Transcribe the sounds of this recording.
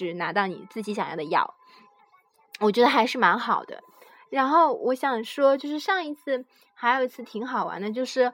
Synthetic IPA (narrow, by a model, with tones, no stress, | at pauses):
ɻ̩˥˩na˧˥t̪ɑ˥˩ʊnḭ˨˩t͡sɹ̩˥˩t͡ɕi˧˥ɕjɑ˨˩ŋjɑ̰˥˩d̪ə˧jɑ̰˥˩ʊ | wɔ˨˩t͡ɕɥɛ˧˥d̪ə˧xa˧˥ɪʂɻ̩˥˩ma˧˥nxɑ˨˩ʊd̪ə̰˦ | ɻa˧˥nxo˥˩ʊwɔ˧˥ɕjɑ˨˩ŋʂwɔ˥t͡ɕjo˥˧ʊʂɻ̩˥˧ʂɑ˥˩ŋi˧˥t͡sʰɹ̩˥˩ | xa˧˥ɪjo˨˩ʊi˧˥t͡sʰɹ̩˥˩t̪ʰi˧˥ŋxɑ˨˩ʊwa̰˧˥nd̪ə˧t͡ɕjo˥˧ʊʂɻ̩˥˩